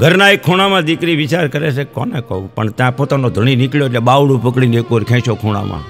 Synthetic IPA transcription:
ɡʱəɾnaekʰːoɽ̃amãd̪ikɾiʋɪt͡ʃaɾkəɾet͡ʃʰekɔ̰nekoũpəɳt̪jãpot̪anod̪ʱəɽ̃inɪkljoeʈleɓaʋɽũpəkɽinekoɾkʰɛ̃ʃokʰoɽ̃a̰mã̰

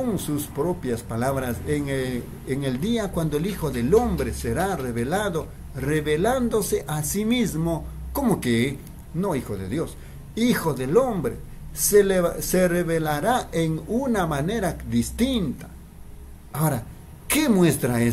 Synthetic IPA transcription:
oŋsuspɾopjaspalaβɾaseŋ | eŋeld̪iakwand̪oelixoðelombɾeseɾareβelaðo | reβeland̪oseʔasimizmokomoke | noixoðḛðjos | ixoðelombɾḛ | sesereβelaɾaʔeŋunamaneɾad̪ist̪int̪ḁ | aoɾa | kemwest̪ɾae

